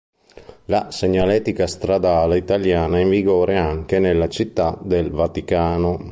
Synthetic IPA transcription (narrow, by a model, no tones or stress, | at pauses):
lasɛɲːalɛːt̪ikast̪ɾad̪aːleit̪aljaːnaiɱviɡɔːɾʔeaŋk̟enelːat͡ʃit̪ːad̪elvat̪ikaːno